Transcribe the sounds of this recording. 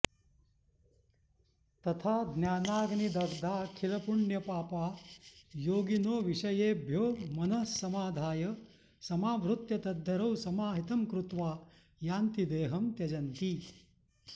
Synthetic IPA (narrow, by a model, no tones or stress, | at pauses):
t̪ɐt̪ʰaːd̪ʱnjaːnaːɡnid̪ɐɡd̪ʱaːkʰilɐpuɳjɐpaːpaː | joːɡinoːʋiʂɐjeːbʱjoːmɐnɐsːɐmaːd̪ʱaːjɐ | sɐmaːʋɾut̪jɐt̪ɐd̪ʱːɐɾɐwsɐmaːɦit̪ɐmkɾut̪ʋaː | jaːnt̪id̪eːɦɐmt̪jɐd͡ʒɐnt̪i